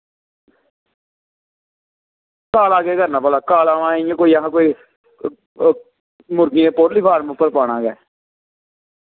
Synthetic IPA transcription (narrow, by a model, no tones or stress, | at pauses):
kaːlaːɡeːɡəɾnaːpəlaːkaːlaːʋãːiãːkoːiːəɦãːkoːiː | mʊɾkiẽːpoːɾliːpʰaːɾmpːəɾpaːɽãːɡɛː